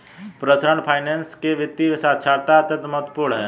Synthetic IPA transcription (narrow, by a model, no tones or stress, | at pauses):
pɾət̪ʰɾəɳpʰaːɪneːnskeʋɪt̪ːiʋɪsaːt͡ʃʰaːɾt̪aət̪ət̪mət̪puɽɦɛː